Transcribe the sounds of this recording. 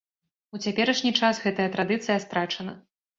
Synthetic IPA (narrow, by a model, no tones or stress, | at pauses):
ut͡sʲapʲɛɾɐʂnʲit͡ʂasɣɛt̪ɐjɐt̪ɾad̪ɨt̪sɨjɐst̪ɾat͡ʂɐnɐ